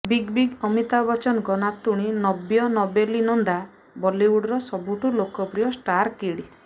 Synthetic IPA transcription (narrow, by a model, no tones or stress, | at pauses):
biɡbiɡɔmit̪abɔt͡ʃɔnɡɔnat̪uɽ̃inɔbjɔnɔbelinɔnd̪a | bɔliwuɽɔɾɔsɔbuʈulokɔpɾijɔsʈaɾkiɽi